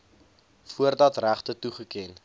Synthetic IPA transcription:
fuərdɐtræχtətuχəkɛn

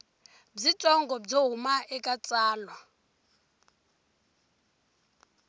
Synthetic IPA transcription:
b͡ʐitʼɔŋɡɔb͡ʐoɦumaɛkʼat͡sʼaːlwa

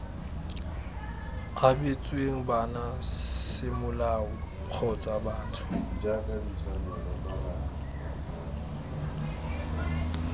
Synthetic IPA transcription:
ɣabet͡sʼweŋ̩banasɪmʊlaʊ | q͡χʰɔt͡sʼabaːtʰʊ̥d͡ʒakʼadit͡sʰanalat͡saba

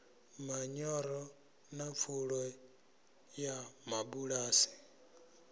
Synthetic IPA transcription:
maɲɔɾɔ | nap̪fʰuɺɔ | jamabuɺaːsi̥

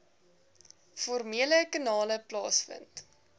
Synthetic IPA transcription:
fɔrmiələkənɑːləplɑ̰ːsfə̰nt

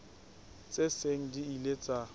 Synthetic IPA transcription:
t͡sʼeseŋ̩diilet͡sʼa

